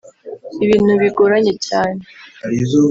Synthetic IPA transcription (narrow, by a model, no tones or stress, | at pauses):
iβiːn̥huβiɡoɾaɲe̞caːnei